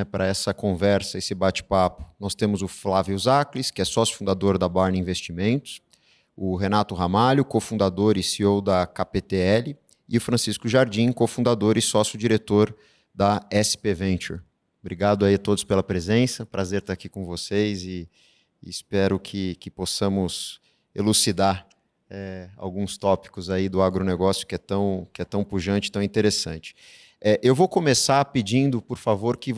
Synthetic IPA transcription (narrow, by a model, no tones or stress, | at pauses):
ɛpɾʔɐɛsɐkõvɛɾsɐesɪbat͡ʃi̥papʊ̥nɔst̪ẽmʊzʊflaviuzakliskɪɛsɔsjʊ̥fũd̪ad̪oɾd̪ɐbaɾnɐĩvest͡ʃimẽnt̪ʊ̥s | ʊɦenat̪ʊɦamalʊkofũnd̪ad̪oɾɪsiowd̪ɐkapet̪eɛlɪ | ɪʊfɾɐ̃siskʊʒaɾd͡ʒĩkofũnd̪ad̪oɾɪsɔsjʊd͡ʒiɾet̪oɾ | d̪ɐɛspevẽnt͡ʃṵɾ | bɾiɡad̪ʊaiat̪od̪ʊspelɐpɾezẽsɐpɾazeɾt̪aɾakikõvosejzɪː | spɛɾʊkʰɪkɪposɐ̃mʊs | elusid̪aɾ | ɛa̰wɡũst̪ɔpi̥kʊzaid̪ʊaɡɾoneɡɔsjʊ̥kɪɛt̪ɐ̃w̃kɪɛt̪ɐ̃w̃puʒɐ̃nt͡ʃɪt̪ɐ̃w̃ĩt̪eɾesɐ̃nt͡ʃɪ̥ | ɛʔewvowkõmesapɪd͡ʒĩnd̪ʊpoɾfavoɾkɪ